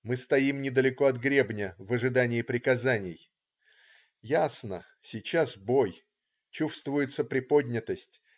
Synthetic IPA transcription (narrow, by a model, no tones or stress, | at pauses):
mɨst̪ɐimnʲɪd̪əlʲɪko̞ɐd̪ɡɾʲe̞bnʲəvəʐɨd̪anʲɪːpɾʲɪkɐzanʲɪj | jasnə̰ | sʲɪt͡ɕasbo̞j | t͡ɕufst̪vʊjɪt̪səpɾʲɪpo̞dʲnʲɪt̪əsʲtʲ